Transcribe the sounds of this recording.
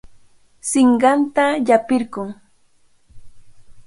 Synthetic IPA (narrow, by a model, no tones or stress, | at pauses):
sɪɴɢɑnt̪aʎapɪɾɢʊŋ